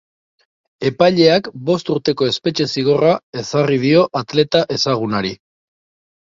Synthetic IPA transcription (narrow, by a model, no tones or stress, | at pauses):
e̞pajʎe̞akbo̞st̪uɾt̪e̞ko̞e̞spe̞t͡ʃe̞siɣ̞o̞rae̞sarið̞io̞ʔat̪le̞t̪aʔe̞saɣ̞unaɾi